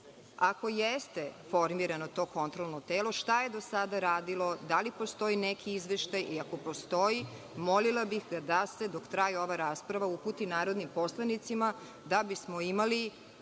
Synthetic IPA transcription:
ako̞jest̪e̞fo̞ɾmiɾano̞t̪o̞ːko̞nt̪ɾolˠno̞t̪eːlˠo̞ʃt̪aje̞d̪o̞sad̪aɾaːd̪ilˠo̞d̪alipost̪o̞jinekʰiizʋeʃt̪ajʔiako̞po̞st̪o̞ji | molilabixɡad̪ase̞d̪o̞kt̪ɾajio̞ʋaɾaːspɾaʋauput̪inaːɾo̞d̪nimpo̞slˠanit̪sima | d̪abismo̞imali

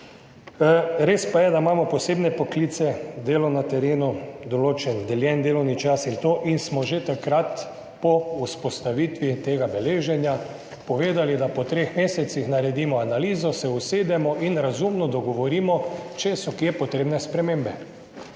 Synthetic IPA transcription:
ɾeːspajɛd̪amaːmɔpɔseːbnɛpɔklit̪sɛd̪eːlɔnat̪ɛɾeːnud̪ɔloːt͡ʃɛnd̪ɛljɛnd̪eːlɔwnit͡ʃasint̪oʔinsmɔʒet̪akɾat̪ | pɔuspɔst̪aʋit̪ʋit̪eːɡabɛleːʒɛnja | pɔʋeːd̪alid̪apɔt̪ɾexmeːsɛt̪sixnaɾɛd̪iːmɔanaliːzɔsɛuseːd̪ɛmɔʔinɾazumnɔd̪ɔɡɔʋɔɾimɔt͡ʃɛsɔkepɔt̪ɾeːbnɛspɾɛmẽmbɛ

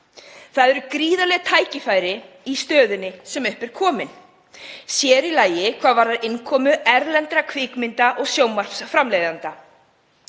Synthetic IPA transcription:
θaðɛɾʏkɾiːðalɛɣt̪ʰaːjcɪfaːjɾɪ | ist̪œːðʏnːɪsɛmʏhpɛɾ̥kʰɔːmɪn | sjɛːɾilaːjɪkʰv̥aːðvaɾðaɾɪnkʰɔːmʏɛɾlɛnt̪ɾakʰvɪːkmɪnt̪aʔɔɣsjoːwmar̥psfɾamlejðant̪a

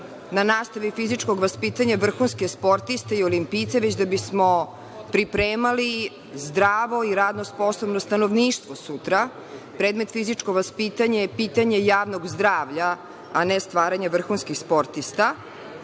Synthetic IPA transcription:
nanaːst̪aʋifizit͡ʂkoɡʋaspit̪aɲaʋr̩xunskespo̞ɾt̪ist̪eiolimpiːt̪seʋet͡ɕd̪abismo | pɾipɾeːmali | zd̪ɾaːʋo̞iɾaːd̪nosposobnost̪anoʋniːʃt̪ʋosut̪ɾa | pɾed̪me̞t̪fizit͡ʃkoʋaspit̪aɲepit̪aɲejaːʋnoɡzd̪ɾaːʋʎaː | nest̪ʋaːɾaɲaʋr̩xunskixspo̞ɾt̪ist̪a

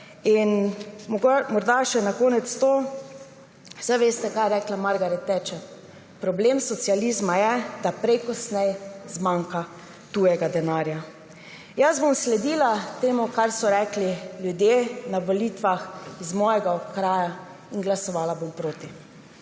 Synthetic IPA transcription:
inɡmɔɾd̪aʃɛnakoːnɛt̪st̪oː | sajʋeːst̪ɛkaːjɛɾɛːklamaɾɡaɾɛt̪ːɛt͡ʃɛ | pɾɔblemsɔt̪sializmajɛd̪apɾɛjkɔsnɛjzmaŋka | t̪ujɛɡad̪ɛnaːɾja | jazbomslɛd̪iːlat̪eːmɔkaɾsɔɾɛːkliljud̪jeːnaʋoliːt̪ʋaxizmɔːjɛɡaɔkɾaːja | inɡlasɔʋaːlabompɾoːt̪i

